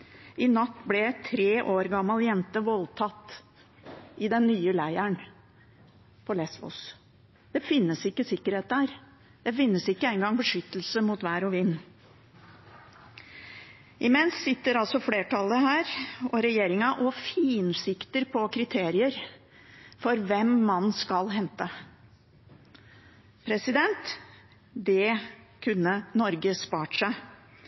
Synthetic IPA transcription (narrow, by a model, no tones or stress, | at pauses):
ɪnɑt̪ːblɛt̪ʰɾeːʔoːɾɡɑmːɑljɛnt̪əʋɔlt̪ʰɑt̪ː | ɪd̪ɛnːyːəlæɪæɳ | pʰɔlɛsʋʊ̰s | d̪̥ɛfɪnːəsɪkːəsɪkːəɾheːt̪̚d̪æːɾ | d̪̥ɛfɪnːəsɪkːəɛɪŋɡɑŋbəʂʏt̪ːəlsəmut̪ʋæːɾʊʋɪnː | ʔɪmɛnsːɪt̪ːəɾɑlsɔfleːʈʰɑlːəhæːɾɔɾɛjeːɾɪŋɑʔɔfiːnsɪkt̪əɾpʰɔkʰɾɪt̪ʰeːɾɪəɾ | fɔɾʋɛmːɑnskɑlɦɛnt̪ə | pʰɾɛsɪd̪ɛnt̪ | d̪ɛkʰʉnːənɔɾɡəspɑːʈʂæɪ